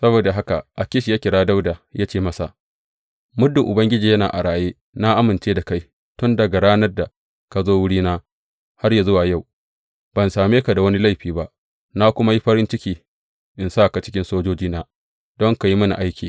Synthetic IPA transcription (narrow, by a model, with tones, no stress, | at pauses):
sɐ˦boː˨da˨ɦa˦ka̰˨ʔa˨kʲɪ˦ʃi˨jaː˦kʲɪ˨ɽaː˦da˦wdaː˨ja˦t͡ʃeː˦˨mɐ˦sa̰˨ | mʊ˦dːɪ˨ŋʔʊ˨bɐ˦ŋɡʲɪ˦d͡ʒiː˨jɐ˦naː˨ʔa˨ɽaː˨jeː˦ | na˦ʔa˦mɪ˨nt͡ʃeː˦da˨ka˦j | tʊ˦nda˨ɡɐ˨ɾaː˦nɐ˦rda˨ | ka˨zoː˦wʊ˦ɽiː˦naː˦ | ha˦rja˨zʊ˦waː˨ja˦˨w | bɐ˨nsaː˨meː˦ka˨da˨wɐ˦ni˦la˦˨jɸiː˨ba˦ʔ | na˦kʷʊ˦ma˦ji˦ɸɐ˦ɾɪ˦nt͡ʃɪ˦kʲiː˨ | ʔɪ˨nsa˦˨ka˨t͡ʃɪ̥˦kʲɪ˦nsoː˦d͡ʒoː˦d͡ʒiː˦naː˦ | dɔ˦ŋka˨ji˦mɐ˦nḭ˨ʔa˦jkʲʰiː˨